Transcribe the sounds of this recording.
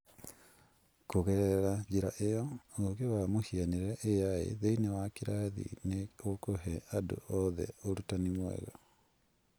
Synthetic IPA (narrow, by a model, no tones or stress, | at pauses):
koɣɛɾɛɾad͡ʒiɾaʔejɔoɣewamohianeɾɾɛʔejaḛðeinewakiɾaðḭneokoɦɛado̰ʔɔðɛ̰oɾutanimwɛ̰ɣɔ̰